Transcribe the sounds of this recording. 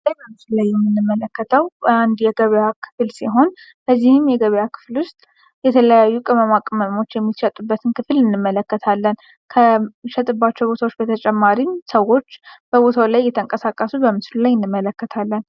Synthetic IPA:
lajbəmɨslulajːɛmːɨnːɨmːələkːət̪ʰəwand̪jɛɡəβjakʰɨ̥fɨlsiɦo̞n | b̥əzːihɨmjɛɡəβjakʰɨ̥flwʊst̪ʼ | jɛt̪ʰələjajːukʼɨməmakʼməmo̞t͡ʃːjɛmːiʃɛt̪ʼubːət̪ʰɨnkʰɨfɨlɨnːɨmːələkːət̪ʰalːən | kʰəʃɛt̪ʼɨbːat͡ʃːɛwbo̞t̪ʰawot͡ʃːbət̪ʰət͡ʃʼɛmːaɾimsəwo̞t͡ʃːb̥əbo̞t̪ʰawlajːɛt̪ʰəŋkʼəsakʼəsubəmɨslulajɨnːɨmːələkːət̪ʰalːən

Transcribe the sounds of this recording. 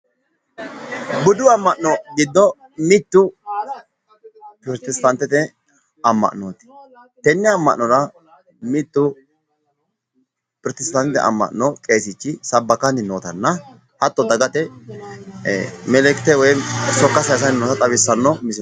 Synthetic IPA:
bʊd̪ʊɐmːɐʔnɔɡɪd̪ːɔ | mɪt̪ːʊ | pɪɾt̪ɪst̪ɐnt̪ːɛt̪ɛ | ɐmːɐ̰ʔnoːt̪ɪ̥ | t̪ɛnːɪɐmːɐʔnːɔɾɐ | mɪt̪ːʊ | pɪɾt̪ɪst̪ɐnt̪ɛ̰ʔɐ̰mːɐ̰ʔnɔkʼeːsɪt͡ʃːɪsɐbːɐkɐnɪnoːt̪ɐnːɐ | hɐt̪ːɔd̪ɐɡɐt̪ʼɛ | mɛlɛkt̪ːɛwɔjsɔkːɐsɐjs̬ɐnɪnoːt̪ɐt̪ʼɐβɪsːɐnːɔmɪsɪ

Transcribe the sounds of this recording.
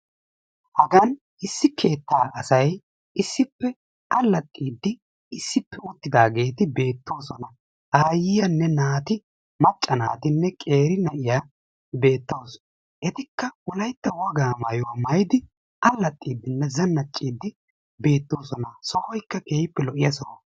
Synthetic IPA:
hɐɡɐn | ɪsːɪkʰe̞ːt̪ːaːʔɐsɐj | ɪsːɪpːɛ | ɐlːɐt̪ʼːiːd̪ːɪ | ɪsːɪpːɛʊt̪ːɪd̪aːɡe̞ːt̪ɪbe̞ːt̪ːo̞ːsɔnɐ | aːjɪjɐnːɛnaːt̪ɪ | mɐt͡ʃʼːɐna̰ːt̪ɪnːɛkʼe̞ːɾɪnɐʔɪja | be̞ːt̪ːoːs | ʔɛt̪ɪkːɐwɔlɐjt̪ːɐwɐɡaːmɐjɔwmɐjɪd̪ɪ | ʔɐlːɐt̪ʼːiːd̪ːɪnːɛzɐnːɐt͡ʃʼːiːd̪ːɪ | be̞ːt̪ːo̞ːsɔnɐsɔhɔjkːɐkeːjɪpːɛlɔʔɪjɐsɔ

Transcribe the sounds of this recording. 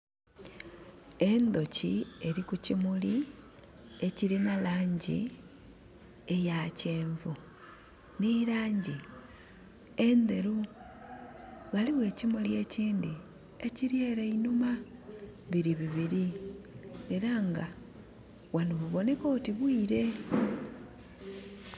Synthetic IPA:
e̞nd̪o̞cie̞ɾikucimuli | e̞ciɾinalaːɲɟḭ | ejaceːɱvu | niɾaːɲɟi | e̞nd̪e̞ɾu | ɣaliβwe̞ːcimulie̞ciːndi | e̞ciɾje̞ːɾeinuma | βiɾiβiβiɾi | e̞ɾaŋɡa | wanuβuβo̞ne̞ko̞ːtiβwiːɾe̞

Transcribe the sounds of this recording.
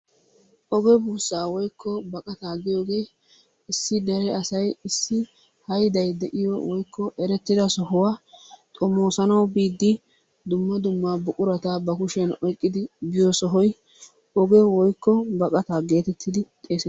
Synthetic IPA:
ʔɔɡɛbuːsːaːwɔjkʰːɔbɐkʼɐt̪aːɡɪjo̞ːɡe̞ː | ɪsːɪd̪ɛɾɛɐsɐjɪsːɪ | hɐjd̪ɐjd̪ɛʔɪjɔ̰wɔjkːɔʔɛɾɛt̪ːɪd̪ɐsɔɦɔwaːt̪ʼɔmoːsɐnɐwbiːd̪ːɪ | d̪ʊmːɐd̪ʊmːaːbʊʔʼʊɾɐt̪aːbɐkʊʃɛnɔjkʼːɪd̪ɪbɪjɔsɔɦɔj | ʔɔɡɛwɔjkːɔbɐkʼɐt̪aːɡe̞ːt̪ɛt̪ʰːɪd̪ɪt̪ʼe̞ːsɛ

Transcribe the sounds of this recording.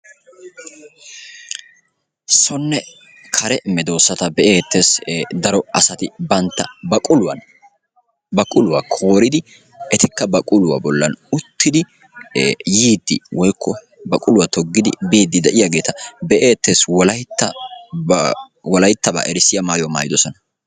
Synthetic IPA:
sɔnːɛ | kʰɐɾɛmɛd̪o̞ːsːɐt̪ɐbɛʔeːt̪ːe̞ːsd̪ɐɾɔɐsɐt̪ɪbɐnt̪ːɐbɐkʼʊlʊwɐn | bɐkʼʊlʊwakʰoːɾɪd̪ɪ | ʔɛt̪ɪkːɐbɐkʼʊlʊwa̰bɔlːɐnʊt̪ʰːɪd̪ɪ | jiːd̪ːɪwɔjkːɔ | bɐkʼʊlʊwɐt̪ɔɡːɪd̪ɪ̰biːd̪ːɪd̪ɛʔɪjaɡe̞ːt̪ɐbɛʔeːt̪ːe̞ːswɔlɐjt̪ːɐ | wɔlɐjt̪ːɐba̰ːʔɛɾɪsɪjɐmaːjɔmaːjɪd̪ɔsɔnɐ

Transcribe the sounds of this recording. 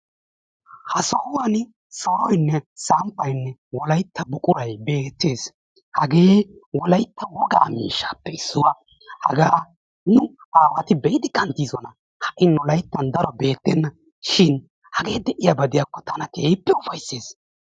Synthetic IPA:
hɐsɐwʊwɐn | sɐwɔjnːɛsampːɐjnːɛwɔlɐjt̪ːɐbʊkʼʊɾɐjbe̞ːt̪ːeːs | hɐɡe̞ː | wɔlɐjt̪ːɐwɔɡa̰ːmḭːʃːaːpːɛɪsːʊwɐ | hɐ̰ɡaː | nʊ | aːwɐt̪ɪbɛjɪd̪ɪkʼɐnt̪iːzɔnɐ | hɐʔɪnɔlɐjt̪ːɐnd̪ɐɾɔbe̞ːt̪ːɛnːɐ | ʃɪn | hɐɡe̞ːd̪ɛʔɪjabɐd̪ɪjakːɔt̪ɐnɐkeːpːɛʊfɐjsːe̞ːs

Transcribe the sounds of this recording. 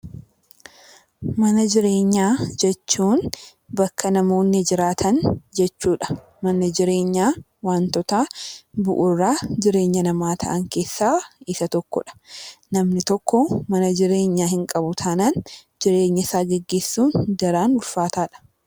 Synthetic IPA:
mɐnɐd͡ʒɪɾe̞ːɲːaːd͡ʒɛt͡ʃːuːn | bɐkʰːɐnɐmo̞ːnːɛd͡ʒɪɾaːt̪ʰɐnd͡ʒɛt͡ʃːuːᶑɐ̥ | mɐnɐd͡ʒɪɾe̞ːɲːaː | waːnt̪ɔt̪aːbʊʔʊrːaːd͡ʒɪɾe̞ːɲːɐnɐmaːt̪ʰɐ̰ʔɐŋke̞ːsːaːɪsɐt̪ɔkːɔ̰ᶑɐ̥nɐmnɪt̪ɔkːɔmɐnɐd͡ʒɪɾe̞ːɲːaːhɪŋkʼɐbʊt̪ʰaːnand͡ʒɪɾe̞ːɲːɐsaːɡɛɡːe̞ːsːuːnd̪ɐɾaːnʊlfaːt̪aːᶑɐ̥

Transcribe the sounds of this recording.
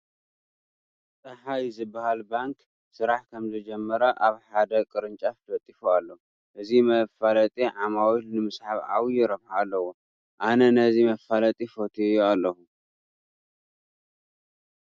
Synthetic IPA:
t̪ʼɐħajzɨbahalbaŋk | sɨɾaħkʰɐmzɨd͡ʒɛmːɐɾɐʔaβħad̪ɐkʼɨɾɨnt͡ʃʼafd̪ʰɐt̪ʼːifualːɐu | ʔɨzimɐfalɐt̪ʼiʕamawilnɨmɨsħaβʕa̰wijɪɾɐβħaːlːɐwo | ʔanɐnɐzimɐfalɐt̪ʼifot̪ʰijualːɐhu

